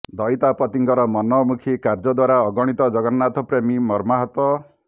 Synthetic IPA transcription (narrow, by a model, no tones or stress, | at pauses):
d̪ɔjt̪apɔt̪iŋkɔɾɔmɔnɔmukʰikaɾd͡ʒɔd̪waɾaɔɡɔɽ̃it̪ɔd͡ʒɔɡɔat̪ɔpɾemimɔɾmaɦɔt̪wɔ